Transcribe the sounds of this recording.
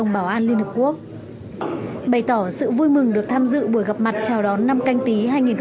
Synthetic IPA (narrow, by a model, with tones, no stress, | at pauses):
ə˨˩wŋ͡mɓaː˧˩wʔaː˧nli˧ənhə˨˩p̚ku˦˥ək̚ | ɓə˨˩jt̪ɔ˧˩sɨ̰˧˨vu˧jmɨ˨˩ŋɗɨ˨˩ək̚t̪ʰaː˧mzɨ̰˧˨ɓu˧˩əjɣa˨˩p̚ma˨˩t̚t͡ɕaː˨˩wɗɔ˨˦nːa˧mka˧jŋ̟t̪i˨˦ɦaː˧jŋi˨˩nx